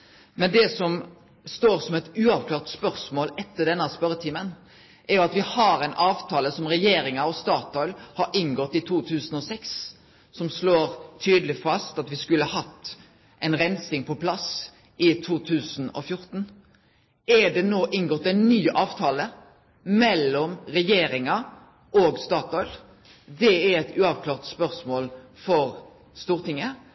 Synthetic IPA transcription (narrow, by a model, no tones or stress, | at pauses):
mɛnd̪ɛsɔm | st̪oːɾsɔmɛt̪ʉːɑʋkʰlɑːʁt̪spœɾsmoːlɛt̪ːəɖ̪ɛnəɑspœɾət̪ʰiːmən | ʔɛɾjʊɑt̪ʋɪhɑɾɛɪnʔɑːʋt̪ʰɑːləsɔmɾɛjeːɾɪŋəɾɔst̪ɑːt̪ʰɔʏlhɑɾʔɪŋɡɔt̪ːɪt̪ʰuːt̪ʰʉːsən̩ɔsɛks | sɔmsloːɾt̪ʰyːd̪əlɪfɑst̪ɑt̪ʋɪskʉləhɑɦɑt̪ː | ʔɛɪnɾɛnsɪŋpʰɔpʰlɑs | ʔɪt̪ʰuːt̪ʰʉːsnɔ̰fjʊɾt̪n̩ | ɛɖɛnoːʔɪnɡɔt̪ːɛɪnːyːʔɑːʋt̪ʰɑːlə | mɛlːɔmɾɛjeːɾɪŋɑ | ʔɔɡst̪ɑːt̪ɔʏl | d̪ɛæɾɛt̪ʉːɑʋkʰlɑːʁt̪spœʁsmoːlfɔɾ | st̪uːʁt̪ɪŋːə